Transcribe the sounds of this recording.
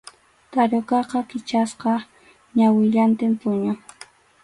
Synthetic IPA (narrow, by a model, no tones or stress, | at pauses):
t̪aɾokɑqɑkɪt͡ʃasqɑ | ɲawɪʎant̪ɪmpʊɲʊ